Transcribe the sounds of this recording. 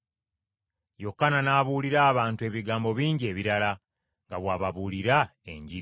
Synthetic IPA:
jo̞kːananaːβuliɾaːβaːntue̞βiɡaːmbo̞βiːɲɟie̞ːβiɾala | ŋɡaβwaːβaβuliɾae̞̰ɲɟiɾ

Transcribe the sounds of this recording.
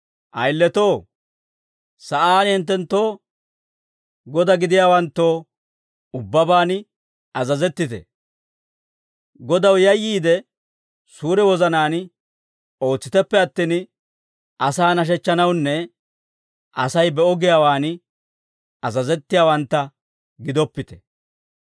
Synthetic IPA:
ʔɐjlːɛt̪o̞ː | sɐʔaːnhɪnt̪̬ːɛnt̪ːo̞ː | ɡɔd̪ɐɡɪd̪ɪjaːwɐnt̪ːo̞ː | ʊbːɐbaːn | ɐzɐzɛt̪ːɪt̪ɛ̰ | ɡɔd̪ɐwjɐjːiːd̪ɛ | suːɾɛwɔzɐnaːn | o̞ːt͡sːɪt̪ɛpːɛɐt̪ːɪn | ʔɐsaːnɐʃ̬ɛt͡ʃːɐnɐwnːɛ | ʔɐsɐjbɛɔɡɪjaːwaːn | ɐzɐzɛt̪ːɪjaːwɐnt̪ːɐ | ɡɪd̪ɔpːɪt̪ɛ̥

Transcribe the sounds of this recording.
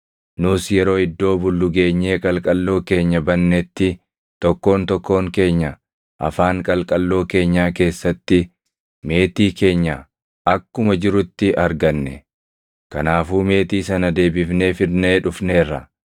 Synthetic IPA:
nʊsjɛɾo̞ːɪd̪ːo̞ːbʊlːʊɡe̞ːɲːe̞ːkʼɐlkʼɐlːo̞ːke̞ːɲːɐbɐnːɛt̪ːɪ | t̪ɔkːo̞ːnt̪ɔkːo̞ːŋke̞ːɲːɐ | ʔɐ̰faːŋkʼɐlkʼɐlːo̞ːke̞ːɲːaːke̞ːsːɐt̪ːɪ | me̞ːt̪iːke̞ːɲːɐ | ɐkːʊmɐd͡ʒɪɾʊt̪ːɪʔɐɾɡɐnːɛ | kɐnaːfuːme̞ːt̪iːsɐnɐd̪e̞ːbɪfne̞ːfɪɾne̞ːᶑʊfne̞ːrːɐ̰

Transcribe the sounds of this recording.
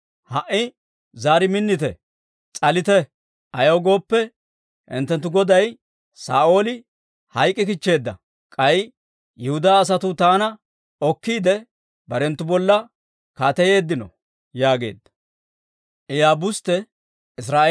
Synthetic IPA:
hɐʔːɪ | zaːɾɪmɪnːɪt̪ɛ | t͡sʼɐlɪt̪ɛ | ʔɐjoɡo̞ːpːɛ | ɪ̰nt̪ːɛnt̪̬ːʊɡɔd̪ɐj | sa̰ːʔo̞ːlɪ | hɐjkʼːɪkɪt͡ʃːe̞ːd̪ːɐ̰ | kʼɐj | jɛhʊd̪aːs̬ɐt̪ʊt̪aːnɐ | ɔkːiːd̪ɛ | bɐɾɛnt̪ːʊbɔlːɐ | kaːt̪ɐje̞ːd̪ːɪnɔ̰ | jaːɡe̞̰ːd̪ːɐ̥ | ʔɛjaːbʊst̪ɛ | ʔɪs̬ɾaː

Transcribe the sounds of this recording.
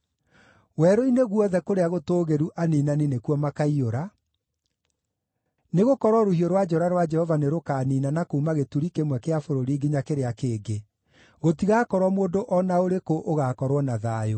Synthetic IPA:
wɛɾoineɣwɔðɛkoɾeaɣotoːɣeɾuʔaniːnaninekuɔmakaioɾa | neɣokɔɾwɔɾohioɾwad͡ʒɔɾaɾwad͡ʒɛhɔvaneɾokaniːnanakoumaɣetuɾikemwɛkeafoɾoɾiːɡeɲakeɾeakeːɡe | ɣotiɣakɔɾwɔmoːndoʔɔnaoɾekoʔoɣaːkɔɾwɔnaðaːjo

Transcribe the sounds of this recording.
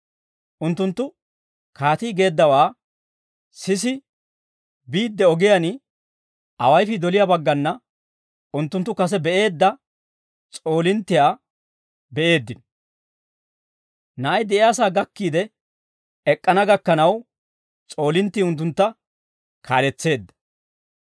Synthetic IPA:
ʔʊnt̪ːʊnt̪ːʊ | kaːt̪iːɡe̞ːd̪ːɐwaː | sɪs̬ɪ | biːd̪ːɛɔɡɪjanɪ | ɐ̰wɐjfɪd̪ɔlɪjaːbɐɡːɐnːɐ | ʊnt̪ːʊnt̪ːʊkɐs̬ɛbɛʔe̞ːd̪ːɐ | t͡sʼo̞ːlɪnt̪ːɪjaː | bɛʔe̞ːd̪ːɪn | nɐʔɐjd̪ɛʔɪjaːsaːɡɐkːiːd̪ɛ | ɛkʼːɐnɐɡɐkːɐnɐw | t͡sʼo̞ːlɪnt̪ːiːʊnt̪̬ːʊnt̪ːɐ | kʰaːlɛt͡sːe̞ːd̪ːɐ̥

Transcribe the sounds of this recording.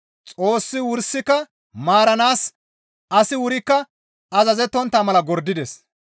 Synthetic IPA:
t͡sʼo̞ːsːɪwʊɾsːɪkɐ | maːɾɐnaːs | ɐsɪwʊɾɪkːɐ | ɐzɐzɛt̪ːɔnt̪ːamɐlɐɡɔɾd̪ːɪd̪ɛs

